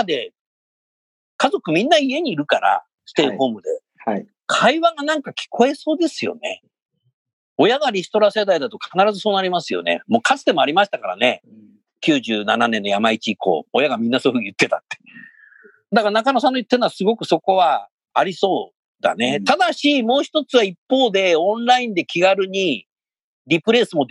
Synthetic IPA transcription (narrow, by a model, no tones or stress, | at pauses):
ad̪e̞ | kazo̞kɯ̟mʲĩnːaie̞ɲ̟iːɾɯ̟kaɾa̰ | sɨ̥t̪eːho̞ːmɯ̟d̪e̞̰ | kʰaiβaɡanãŋkakʲi̥ko̞e̞so̞ːd̪e̞sɨjo̞̰ne̞̰ | o̞jaɡaɾʲisɨ̥t̪o̞ɾase̞d̪aid̪at̪o̞kʰanaɾazɨso̞ːnaɾʲimasɨjo̞̰ne̞̰mo̞ːkat͡sɨ̥d̪e̞mo̞aɾʲimaɕi̥t̪akaɾa̰ne̞ | kʲɨːʑɨːna̰nanẽ̞nːojamait͡ɕiːko̞̰ːojaɡamʲĩnːaso̞iɸɯijɯ̟t̪ːe̞t̪at̪ːe̞̥ | d̪akaɾanakanosãnːojɯt̪ːenoasɨɡo̞kɯ̟so̞ko̞βaː | ɾʲiso̞ː | d̪a̰ne̞t̪ad̪aɕimo̞ːçi̥t̪o̞t͡sɨβaipːo̞ːd̪e̞õ̞nɾaĩnd̪e̞kʲiɡaɾɯ̟ɲ̟i | ɾʲipɯ̟ɾe̞sɨmo̞